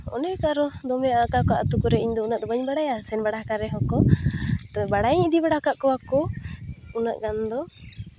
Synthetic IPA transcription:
ɔ̰nɛkaɾɔd̪ɔmɛjakakɔaʔat̪ukɔɾɛiɲd̪ɔunaʔd̪ɔbaɲbaɽajasɛnbaɽahkaɾɛɦɔkɔt̪ɔbaɽajɲid̪ibaɽakaʔkɔwakɔ | unaʔɡand̪ɔ

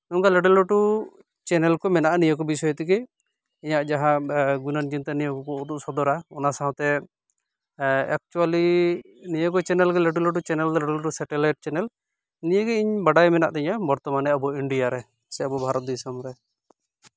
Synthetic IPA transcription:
nuŋkalɛɖɛlɔʈu | t͡ʃɛnɛlkɔmɛnaʔanijɔkɔbisɔjɔt̪ikɛ | iɲaʔd͡ʒaɦãɡunand͡ʒint̪anijɔkɔkɔud̪uʔsɔd̪ɔɾaɔnasaɦɔ̃t̪ɛ | ɛ̰k̚t͡ʃuali | nijɔkɔt͡ʃɛnɛlɡɛlɛʈulɔʈ̬ut͡ʃɛnɛlt̪ɛlɛɖelɔʈusɛʈɛlajʈ̚t͡ʃɛnɛl | nijəɡɛiɲbaɖajmɛna̰ʔd̪ɛɲabɔɾt̪ɔmanɛabɔiɳɖijaɾɛ | sɛabubʱaɾɔt̪̚d̪isamɾɛ

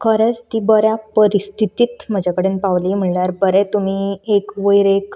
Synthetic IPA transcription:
kʰəɾət͡st̪iːbəɾjapəɾist̪ʰit̪iːt̪m̤əd͡ʑakəɽenpaʋliːm̤əɳljaɾbəɾɛt̪um̤iːekʋəjɾek

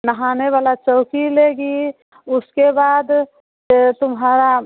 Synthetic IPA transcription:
nəɦaːneʋaːlat͡ʃɔːkileːɡi | ʊskebaːd̪ | t̪ʊmɦaːɾa

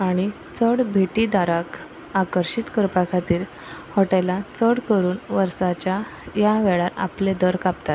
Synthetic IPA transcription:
aɽ̃i | t͡səɽbʱeʈid̪aɾak | akəɾɕit̪kəɾpakʰat̪iːɾ | hoʈalat͡səɽkəɾuːnʋəɾsat͡ɕjajaʋeɭaa̰pled̪əɾkapt̪at̪

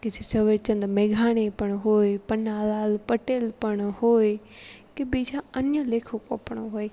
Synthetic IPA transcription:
kɪt͡ʃʰet͡ʃɐʋet͡ɕɐ̃nd̪meːɡʱaːɽ̃epɐɽ̃ɦoːepɐnaːlaːlpɐʈeːlpɐɽ̃hoːe | kebid͡ʒaɐnəleːkʰoko̰pɽ̃oɦoːe

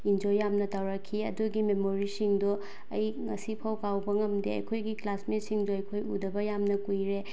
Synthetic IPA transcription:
ind͡ʒojːamnɐtawɾɐkʰːiɐ̰duɡimemoɾisiŋdu | ɐjŋɐsipʰɐwkawbɐŋɐmdeɐ̰jkʰojɡiklasmisiŋduɐjkʰojudɐbɐjamnɐkujɾe

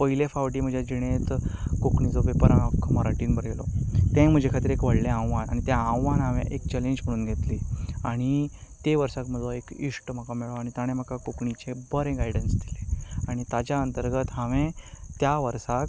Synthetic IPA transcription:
pəɦilefaʋʈiːm̤əd͡ʑʱjad͡ʑiɽ̃et̪kokɳid͡zobepəɾakʰməɾaʈiːnbəɾelɔ̰t̪ẽm̤əd͡ʑʱekʰat̪iːɾekʋəɽlẽãwʋana̰ɽ̃it̪jaãwʋanɦãʋḛ̃ʔekt͡ɕɛleɲd͡ʑm̤əɽ̃uːnɡʱet̪liaɽ̃it̪eʋəɾsakm̤əd̪aekiʂʈm̤əkameɭoaɽ̃it̪aɽ̃ẽm̤əkakokɳit͡ɕebəɾẽɡajɖənsd̪ileaɽ̃it̪ad͡ʑjaənt̪əɾɡət̪ɦaʋẽt̪jaʋəɾsak

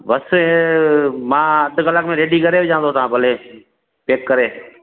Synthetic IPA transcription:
bəs | mãːəd̪ʱkələkmẽːɾeːɖiːkəɾeːbd͡ʒãːnd̪oːt̪ãːbəleː | peːkːəɾeː

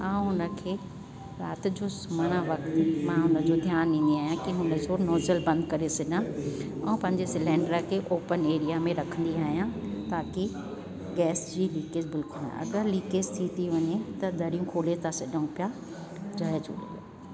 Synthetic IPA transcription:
ãːũɦʊnə̆kʰeː | ɾa̰ːt̪d͡ʑoːsʊməɽ̃aʋɐkt̪mãɦʊnə̆d͡ʑod̪ʱjaːnĩːn̆d̪iaːɦijãkiɦʊnəd͡ʑonoːzəlbɐ̃nd̪kɐɾesɐʄãɛ̃ũpɐ̃ɦɪ̃ɲd͡ʑesɪlɛ̃ːɳɖɾakʰeʔoːpəneːɾijamẽɾɐkʰə̃nd̪iaːɦijãt̪aːki | ɡɛːsd͡ʑiːliːkezbɪlkʊlã̰ɐ̰ɡəɾliːkezt̪ʰit̪iʋɐɲet̪ɐd̪ʱɐɾijũkʰoːlet̪ʰasɐɗə̃ũpja | d͡ʑɐɦed͡ʑo̰ːɗḛj

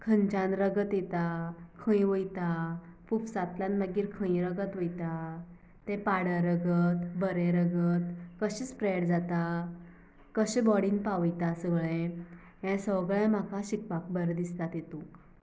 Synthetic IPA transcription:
kʰənt͡ɕãnɾəɡət̪jet̪akʰə̃ĩʋəjt̪apufsat̪lãnməɡiːɾkʰə̃ĩɾəɡət̪ʋojt̪a | t̪ɛ̃paɽəɾəɡət̪bəɾẽɾəɡət̪kəɕit͡spɾəjɽd͡zat̪a | kəɕẽbɔɽinpaʋəjt̪asəɡɭẽ | ɦɛ̃səwɡɭẽm̤akaɕik̚pak̚bəɾd̪ist̪at̪jet̪ũ

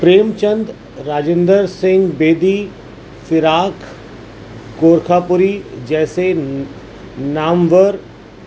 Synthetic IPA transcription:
pɾeːmt͡ʃə̃nd̪ | ɾaːd͡ʒẽnd̪əɾsɪ̃ŋɡbeːd̪i | fɪɾaːkʰ | ɡoːɾkʰaːpʊɾid͡ʒɛːse | naːmʋəɾ

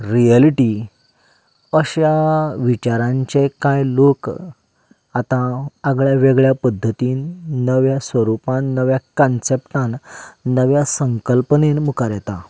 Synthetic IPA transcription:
ɾialiʈi | əɕaʋit͡ɕaɾãɲt͡ɕekãjlok | at̪ãaɡɭjaʋeɡɭjapəd̪ʱːət̪iːnnəʋjasʋəɾupãnːəʋjakɔ̃nsepʈãnːəʋjasəŋkəlpənenmukaɾjɛt̪a

